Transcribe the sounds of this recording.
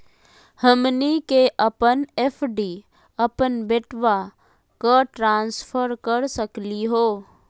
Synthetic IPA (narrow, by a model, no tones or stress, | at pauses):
həmnikeʔəpənepʰɖi | əpənbeʈʰʋa | kəʈɾãːnspʰəɾkəɾsəkliɦoː